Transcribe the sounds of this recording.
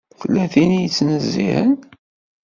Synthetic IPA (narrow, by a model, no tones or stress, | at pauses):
θəlːæθinijət͡sːnəzːḭhən